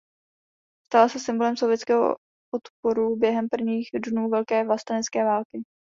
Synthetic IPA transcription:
st̪alasɛsɪmbo̞lɛmso̞vjɛt͡skɛːɦo̰ | ot̪poɾubjɛɦɛmpr̩vɲiːxdnuːvɛlkɛːvlast̪anɛt͡skɛːvaːlkɪ

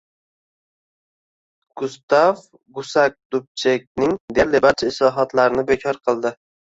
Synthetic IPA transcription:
ɡ̥ʊst̪av | ɡʊsak̚d̪̥ʊp̚t͡ʃʰek̚ʲnɪŋd̪eɾlebaɾt͡ʃʰaɪʃlɒɦɒt̪laɾɪnɪbe̞kʲʰɒɾqʰɨlˠd̪ɪ

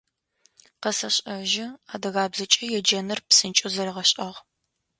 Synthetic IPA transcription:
qɐsɐɕʼɐʒɪaːdɐɣaːbzɐt͡ʃʼɐjɛd͡ʒɐnɐrpsɨnt͡ʃʼʊzɐɾɐʁɐɕʼʔɐʁ

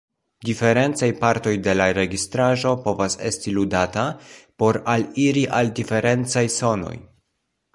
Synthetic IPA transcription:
dife̞ɾe̞nt͡sajpaɾto̞jde̞laɾe̞ɡistɾaʒo̞po̞vase̞stiludatapo̞ɾaliɾiʔaldife̞ɾe̞nt͡sajso̞no̞̰j

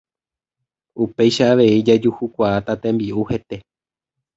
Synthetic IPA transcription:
upe̞jʃaːʋe̞id͡ʒad͡ʒuhukʷaat̪at̪ẽ̞mbiʔuhe̞t̪e̞

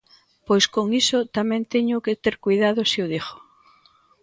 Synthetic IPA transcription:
pojskoŋisot̪amẽnt̪eɲʊkɪt̪eɾkujðaðʊsioðixo̥

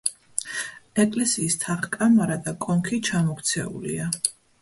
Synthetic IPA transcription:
ɛkʼlɛsiːst̪ʰaχkʼamaɾad̪akʼɔŋkʰit͡ʃʰamɔkt̪sʰɛ̰ṵlḭa

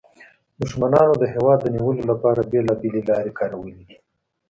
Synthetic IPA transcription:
d̪ʊʃmanɑnod̪əɦewɑd̪ːəniwəlolapɑɾabelɑbelelɑɾekɑɾawəlid̪i

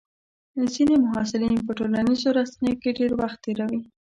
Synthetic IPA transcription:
zinemʊɦɑsɪlinpəʈolanizoɾasanejokeɖeɾwaxt̪ːeɾawi

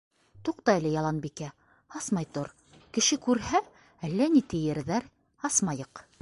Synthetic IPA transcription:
t̪uqt̪ɑælɘjɑlˠɑnbikæ | ɑsmɑjt̪oɾ | kɘ̆ʃɘkʉɾhæ | ælːænit̪ɘ̆jɘ̆ɾðæɾ | ɑsmɑjɤq

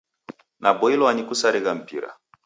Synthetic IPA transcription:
nabɔilɔanikusaɾiɣam̩pḭɾa̰

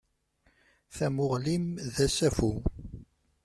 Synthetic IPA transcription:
θæmʊʁlimðæsæfu

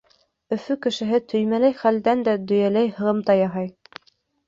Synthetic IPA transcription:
ɵ̆fɵkɘ̆ʃɘ̆ɦɘt̪ʰɵ̆jmælæjχæld̪ænd̪æd̪ɵ̆jælæjhɤ̆ʁɤmt̪ɑjɑɦɑj

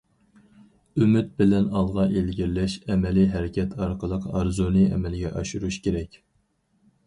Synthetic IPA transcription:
ymyt̪̚bɪlɛnɑlˠʁɑʔelɡʲiɾlɛʃɛmɛliɦɛɾɪkʲɛt̪ʰɑɾqəlˠəqɑɾzonɨɛ̰mɛlɪɡʲɛ̰ʔɑʃuɾuʃkʲʰeɾɛkʲ

